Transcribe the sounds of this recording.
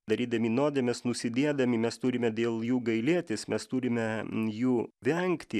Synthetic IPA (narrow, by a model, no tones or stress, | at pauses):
d̪ɐɾʲiːd̪ɐmʲiːnoːd̪ʲemʲɛsnʊsʲɪd̪ʲeɛd̪ɐmʲimʲɛst̪ʊːɾʲɪmʲɛd̪ʲeːlˠjuːɡɐɪlʲiɛt̪ʲeːsmʲɛst̪uɾʲɪmʲɛjuːʋʲɛŋʲkt̪ʲɪ